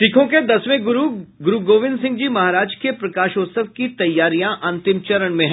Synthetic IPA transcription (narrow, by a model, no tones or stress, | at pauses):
ʈɪkʰõked̪ɐsʋẽɡʊɾuɡʊɾuɡoːʋɪ̃nd̪sɪ̃ŋɡd͡ʒiːmɐɦaːɾaːd͡ʒkepɾɐkaːʃoːt̪səʋkit̪ɐjːaːɾijãʔɐ̃nt̪ɪmt͡ʃɐɾəɳ̃mẽɦɛ